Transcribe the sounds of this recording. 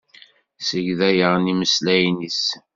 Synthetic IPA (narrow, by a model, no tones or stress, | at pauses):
səʝðæjəʁniməslæjnis